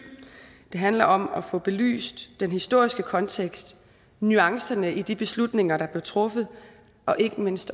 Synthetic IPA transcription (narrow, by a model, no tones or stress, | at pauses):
d̥e̝ɦænlɐʔɒ̽mɒfɔ̽b̥e̝ly̰ːsd̥ːenɦisd̥o̝ɐ̰isɡ̥əkʰɒ̽nt͡sʰeɡ̥sd̥ | nyɑ̈ŋsɐnəʔid̥ib̥e̝slud̥ne̝ŋɐɾ̥ɑ̈b̥le̝ʊt͡sʰʁɔ̽fð̞̩ˠ | ʔɒ̽ʔe̝ɡ̥əme̝n̰sd̥